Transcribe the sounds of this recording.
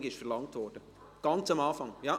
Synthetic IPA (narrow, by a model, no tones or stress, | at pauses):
ɡɪʃfɛɾlɑŋtvɔd̥ə | ɡ̥ɑnt͡samɑnfɑŋjaː